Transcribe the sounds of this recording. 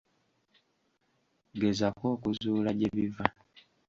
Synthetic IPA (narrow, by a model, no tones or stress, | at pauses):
ɡe̞zako̞ːkuzuːlaɟeβiva